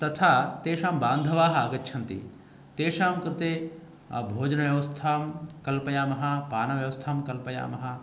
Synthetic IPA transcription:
t̪ɐt̪ʰaːt̪eːʃaːmbaːnd̪ʱɐʋaːɦɐɐɡɐtːʃʰɐnt̪ḭ | t̪eːʃaːmkɾɪt̪eː | bʱoːd͡ʒɐnɐʋjɐʋɐst̪ʰaːmkɐlpɐjaːmɐɦɐ̆paːnɐʋjɐʋɐst̪ʰaːmkɐlpɐja̰ːmɐɦɐ

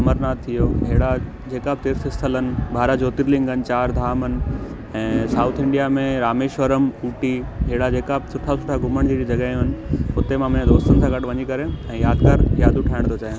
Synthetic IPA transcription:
ɐməɾnaːt̪ʰːijoɦeːɽa | d͡ʑeːkab̚t̪eːɾsɪst̪ʰələnɪ̆bʱaːɾad͡ʑoːt̪ɪɾlɪ̃ŋɡənɪ̆t͡ɕaːɾd̪ʱaːmənɪ̆ | ɛ̃ːsaːʊt̪ʰɪ̃ɳɖijamẽɾaːmeːʃʋəɾəmuːʈiɦeːɽad͡ʑeːkab̚sʰʊʈʰasʰʊʈʰaɡʱʊməɽ̃d͡ʑiːɾid͡ʑɐɡaːjũɦənɪ̆ʊt̪emãmɐ̃ãd̪oːst̪ʊnɪsãːɡɐʈʋɐɲikɐɾeɛ̃ːjaːd̪kəɾjaːd̪ʊʈʰaːɪɽ̃t̪ʰot͡ɕaːjẽ

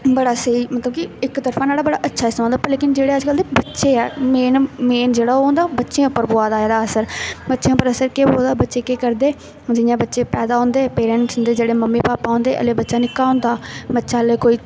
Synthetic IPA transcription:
bəɽaːsəiːmət̪ləbkiɪkt̪əɾfʰãːnaːɽaːbəɽaːʔətːʃʰaːɪst̪maːnd̪aːpːəɾleːkɪnd͡ʒeːɽeːəd͡ʒkəld̪eːbətːʃeːɛːmeːnmeːnd͡ʒeːɽaːoɦõːnd̪aːbətːʃeẽːʊpːəɾboːaːd̪aːed̪aːəsəɾbətːʃẽːʊpːəɾəsəɾkeːboːld̪aːbətːʃeːkeːkəɾd̪eː | d͡ʒɪjãːbətːʃeːpɛːd̪aːɦõːnd̪eːpeːɾɛʈsʊnd̪eːd͡ʒeːɽeːməmːiːpaːpaːõːnd̪eːʔə̰leːbətːʃaːnɪkːaːʊ̃nd̪aːbətːʃaːleːkoːiː

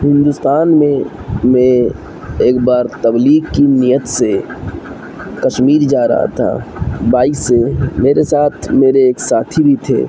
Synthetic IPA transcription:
ɦɪ̃nd̪ʊst̪aːnmẽmẽ | eːkbaːɾt̪ɐbliːɡkinijət̪se | kɐʃmiːɾd͡ʒaːɾɐ̰ɦa̰t̪ʰa̰ːbaːisemeːɾesaːt̪ʰmeːɾeeːksaːt̪ʰibʱit̪ʰḛː

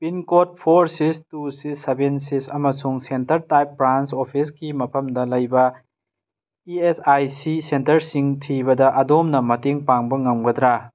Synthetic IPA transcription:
pinkot̚pʰoɾsistusisebensisɐmɐsuŋsentɐɾtajpːɾansopʰiskimɐpʰɐmdɐlɐjbɐ | iesajsisentɐɾsiŋtʰibɐdɐʔɐdomnɐmɐteŋpaŋbɐŋɐmɡɐd̪ɾa

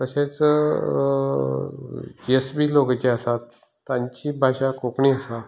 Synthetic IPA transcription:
t̪əɕẽt͡s | d͡ʑiesbiːloɡt͡ɕeəsat̪ː | ãɲt͡ɕibʱaɕakokɳiːəsa

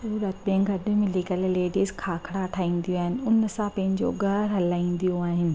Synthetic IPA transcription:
uːɾət̪bẽŋɡɐd̪ɪmɪlikəlleːɖiːzkʰaːkʰɽaɐʈʰaːĩːn̆d̪ijũaːɦɪnɪ̆ʊnsãpɐ̃ɦɪ̃ɲd͡ʑo̰ɡʱɐɾɦɐlaːĩːnd̪ijoaːɦɪnɪ̆

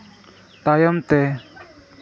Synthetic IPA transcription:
t̪ajəmt̪ɛ

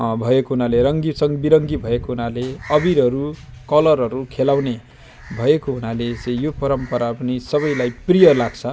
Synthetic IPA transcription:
bʱʌekoɦunaleɾʌŋɡisʌŋbiɾʌŋɡibʱʌekoɦunaleʌbiɾɦʌɾukʌlʌrɦʌɾukʰelawne | bʱʌekoɦunalet͡sʌjjopʌɾʌmpʌɾapʌnisʌβʌjlajprijʌlaɡt͡sʰʌ

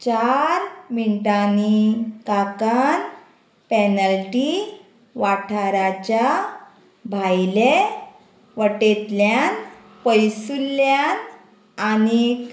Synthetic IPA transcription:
t͡ɕaɾminʈanikakan | pɛnəlʈi | ʋaʈʰaɾat͡ɕa | bʱajle | ʋəʈet̪ljan | pəjsulljan | anik

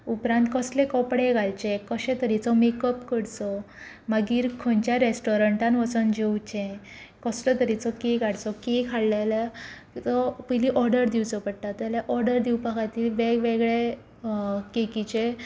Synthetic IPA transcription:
upɾãnt̪̚kəslekɔpɽeɡʱalt͡ɕekəɕẽt̪əɾit͡sɔmekəpkəɽt͡sɔ | maɡiːɾkʰoɲt͡ɕjaɾesʈɔɾəɳʈãnʋət͡sənd͡ʑewt͡ɕẽ | kɔslət̪əɾit͡sɔkeɡʱaɽt͡sɔkekʰaɽlela | t͡sɔpəjliʔɔɾɖəɾd̪iwt͡sɔpəɽʈ̪at̪jaljaʔɔɾɖəɾd̪iwpakat̪iːlʋeʋeɡɭe | kekit͡ɕe

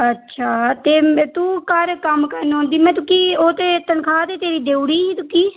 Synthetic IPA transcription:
ətːʃʰaːt̪eːt̪ũːkəɾkəmkəɾnɦõːnd̪iːmɛ̃ːt̪ʊkiːoːt̪eːt̪ənkʰaːt̪eːt̪eːɾiːd̪eːuɽiːiːt̪ʊkiː

